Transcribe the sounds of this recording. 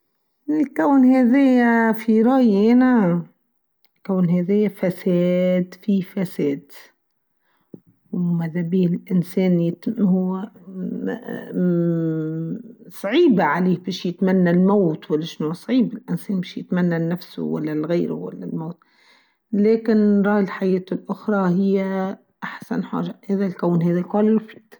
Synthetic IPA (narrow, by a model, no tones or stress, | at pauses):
ɪlkawnhaðejafiɾˤɑːjʔɪna | lkawnhaðejafaseːd̪fifaseːd̪ | wmaðabiːhɪlʔɪnseːnjɪt̪hʊw | sˤɑʕiːbaʕaleːbiːʃjɪt̪manːalmoːt̪walːaʃnusˤʕiːbɪlʔɪnseːnbiːʃjɪt̪manːanːafsʊ̰wa̰lːalɣeːɾʊ̰wa̰lːa̰lmoːt̪ | leːkɪnɾˤɑːjɪlħajeːt̪ʊlʔʊxɾˤɑhɪjːa | ʔaħsa̰nħa̰ːʒaheːðalkawnhaːðalkaːlɪlfid̪